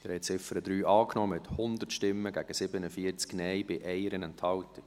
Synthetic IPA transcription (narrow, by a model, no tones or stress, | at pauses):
əɾhɛt͡sɪfəɾəd̪ɾyːʔɑːknɔːmɪt̪hʊnd̪ətʃtɪmːəɡæɡ̥əsɪbənəfiəɾt͡sknɛɪb̥ɪʔɛɪəɾənɛnthɑltə